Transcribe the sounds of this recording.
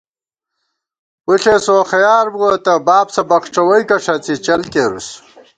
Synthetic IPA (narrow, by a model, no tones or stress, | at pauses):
wuɬesoxɐjaːɾbuɐt̪ɐbaːbsɐbɐχʈ͡ʂɐwɐjkɐʂɐt͡sit͡ɕɐlkeɾṵs